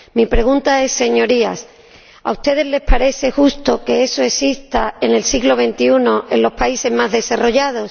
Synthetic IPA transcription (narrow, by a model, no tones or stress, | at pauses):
mipɾe̞ɣ̞unt̪ae̞sːe̞ɲo̞ɾia̰s | a̰ust̪e̞ðe̞zle̞spaɾe̞θe̞xust̪o̞ke̞e̞so̞e̞sist̪aene̞lsiɣlo̞β̞e̞nt̪iuno̞ʔe̞nlo̞spaise̞zmazðe̞saro̞ʝað̞o̞s